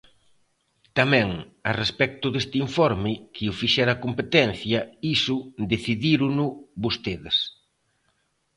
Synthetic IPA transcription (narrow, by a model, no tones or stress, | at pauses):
t̪amɛ̃ŋ | ɐrespɛk̚t̪ʊðest̪ɪiɱfɔɾmɪkʰɪʊfiʃɛɾɐkompet̪ɛn̟θjɐisʊd̪eθiðiɾʊnʊbost̪eðɪs